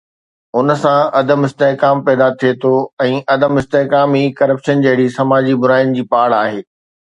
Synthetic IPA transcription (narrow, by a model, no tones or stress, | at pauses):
ʊnə̆sãɐd̪əmɪst̪eɦkaːmpɛːd̪at̪ʰiet̪ʰoɛ̃ːʔɐd̪əmɪst̪eɦkaːmikɐɾəpʃənd͡ʑɐɦɪɽisɐmaːd͡ʑibʊɾaːɪn̆d͡ʑiːpaːɽaːɦeː